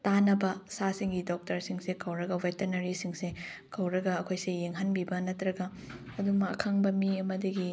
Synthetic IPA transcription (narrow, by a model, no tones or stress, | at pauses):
tanɐbɐsasiŋɡidok̚tɐɾsiŋsekʰɐwɾɐɡɐwetɐɾnɐɾisiŋsekʰɐwɾɐɡɐːkʰojsejeŋɦɐnbibɐnɐtɾɐɡɐ | ɐdumɐːkʰaŋbɐmiɐmɐdiɡi